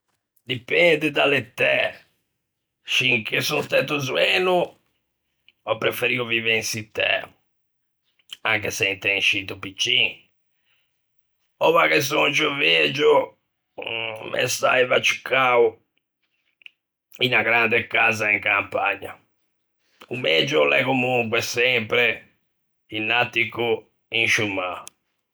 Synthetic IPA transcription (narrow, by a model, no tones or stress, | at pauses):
d̪ipɛnd̪ɪd̪alet̪ːɛ | ʃiŋkesust̪ɛt̪̬ːuzuɛnu | ɔpːɾefeɾiuviveinsit̪ːɛ̰ | a̰ŋk̬esɛint̪ɛŋʃit̪upit͡ʃːin | ɔvakes̬ut͡ʃoved͡ʒu | mḛst̪a̰ivat͡ʃːi̥kːau | inaɡɾand̪ekazaiŋkampaɲːa̰ | umed͡ʒulɛ̰komuŋkwɛsɛmpɾe | inːat̪ːiku | inʃumːa